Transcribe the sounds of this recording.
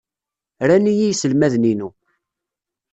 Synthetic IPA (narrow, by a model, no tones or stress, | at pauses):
ɾænijijsəlmæðninu